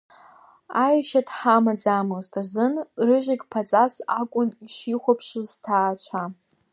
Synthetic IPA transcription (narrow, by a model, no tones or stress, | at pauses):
ajʃatʰʼħamad͡zamoztʰʼaʒɨnrɨʒʷɪɡʲpʰat͡sʼasakʷʼʊniʃiχʷapʰʂɨztʰaːt͡ɕʷʰa